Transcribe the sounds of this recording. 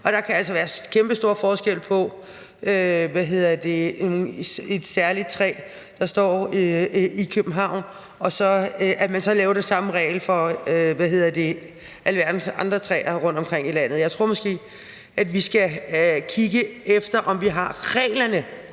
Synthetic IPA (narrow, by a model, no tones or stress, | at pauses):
ʔɒ̽d̥ɑ̈kʰææl̰sɒʋæːɐkʰemb̥əsd̥o̝ɐ̰fɒːsɡ̥el̰pʰɒ̽ | ʔøʋæɦe̝ð̰ˠɐd̥e̝ | e̝d̥sæɐlid̥̚t͡sʰʁɛ̰ː | d̥ɑ̈sd̥ɒ̰ː | ikʰøb̥m̩ɦɑ̈ʊ̰n | ɒ̽sɒ̽ʔæmænsɒ̽lɛːʊd̥esɑ̈məʁɛ̰ːɪlfɒ̽øʋæɦe̝ðˠɐd̥e̝ | ʔæləʋæɐd̥n̩sɑ̈nd̥ʁɐt͡sʰʁɛ̰ːɐʁɔ̽n̰d̥ɒ̽mkʰʁeŋ̰ilæn̰ð̩ˠjɑ̈ɪt͡sʰʁo̝̰ɐ̰mɒ̽sɡ̥e̝̰ː | ʔædʋisɡ̥ækʰiɡ̥əefd̥ɐʔɒ̽mʋiɦɑ̈ʁɛ̰ːɪlɐnə